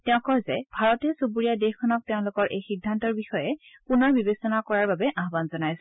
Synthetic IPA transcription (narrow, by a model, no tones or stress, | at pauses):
tɛʊ̃kɔjzɛbʱaɹɔtɛsopuɹijadexkʰɔnɔk̚teʊ̃lʊkɔɹʔejxidʱːantɔɹbixɔjɛpunɔɹbibesɔnakɔɹaɹbabɛʔaɦbanzɔnajs